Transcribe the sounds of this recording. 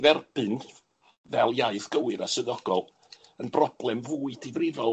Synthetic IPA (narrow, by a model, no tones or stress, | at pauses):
vɛrb̥ɨn | vɛlˠjaɨθɡ̥əwɨɾasəðɔɡ̥ɔlˠ | ənbrɔblˠɛmvuːɨdʰivrɪðɔ